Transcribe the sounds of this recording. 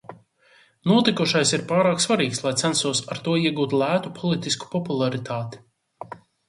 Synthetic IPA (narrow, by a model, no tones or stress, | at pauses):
nuɔt̪ikuʃajsiɾpaːɾaːksvaɾiːkslˠajt̪sænsuɔsaɾt̪uɔiɛɡuːt̪lˠæːt̪upʰɔlˠit̪isku̥pɔpulˠaɾit̪aːt̪i̥